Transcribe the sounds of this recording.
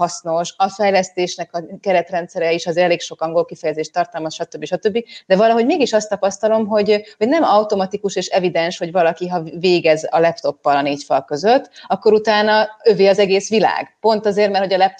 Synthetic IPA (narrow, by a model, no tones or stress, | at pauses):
ɒsno̞ʃɒfɛjlɛst̪eːʃnɛkɒkɛɾɛt̪rɛnt̪sɛɾɛiʃɒzeːɾɛleːkʃo̞kːɒŋɡo̞lkifɛjɛzeːʃt̪ɒrt̪ɒlmɒsʃɒt̪ø̞bːiʃɒt̪ø̞bːid̪ɛvɒlɒɦo̞ɟmeːɡiʃɒst̪ːɒpɒst̪ɒlo̞mɦo̞ɟho̞ɟnɛmɒwt̪o̞mɒt̪ikuʃeːʃɛvid̪ɛnʃho̞ɟvɒlɒkiɦɒveːɡɛzɒ̰lɛpt̪o̞pːɒlɒneːcfɒlkø̞zøt̪ːɒkːo̞ɾut̪aːnɒøveːɒzɛɡeːsʋila̰ːɡpo̞nt̪ɒzeːrmɛrtho̞ɟɒlɛp̚t̪